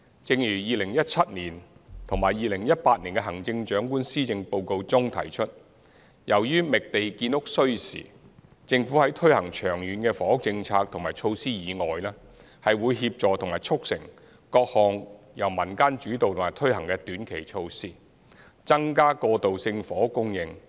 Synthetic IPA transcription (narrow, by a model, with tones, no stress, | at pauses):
t͡sɪ˧ŋjyː˨˩jiː˨˧lɪ˨˩ŋjɐ˥t̚t͡sʰɐ˥t̚niː˨˩nt̪ʰʊ˨˩ŋmaː˨˩jːiː˨lɪ˨˩ŋjɐ˥t̚paː˧t̚niː˨˩nkɛ˧ɦɐ˨˩ŋt͡sɪ˧ŋt͡ʃœː˨˥ŋkuː˥nsiː˥t͡sɪ˧ŋpo˨˧wko˧wt͡sʊ˥ŋt̪ʰɐ̰˨˩jt͡ʃʰɵ˥t̚ | jɐ˨˩wjyː˥mɪ˨k̚t̪e˨jkiː˧nʊ˥k̚sɵ˥ɥsḭː˨˩ | t͡sɪ˧ŋfu˨˥hɐ˨˥jt̪ʰɵ˥ɥhɐ˨˩ŋt͡ʃʰœː˨˩ŋjyː˨˧˥nkɛ˧fɔː˨˥ʊ˥k̚t͡sɪ˧ŋt͡sʰaː˧k̚t̪ʰʊ˨˩ŋmaː˨˩jt͡ʃʰo˧wsiː˥jiː˨˧ŋɔː˨jlɛː˥ | hɐ˨jwuː˨˧jɦiː˧p̚t͡ʃɔː˨t̪ʰʊ˨˩ŋmaː˨˩jt͡ʃʰʊ˥k̚sɪ˨˩ŋ | kɔː˧k̚hɔː˨ŋ | jɐ˨˩wmɐ˨˩nkaː˥nt͡ʃyː˨˥t̪o˨wt̪ʰʊ˨˩maː˨˩jt̪ʰɵ˥ɦɐ˨˩ŋkɛː˧t̪yː˨˥nkʰe˨˩jt͡ʃʰo˧wsiː˥ | t͡sɐ˥ŋkaː˥kɔː˧t̪o˨wsɪ˧ŋfɔː˨˥kʊ˥ŋjɪ˨ŋ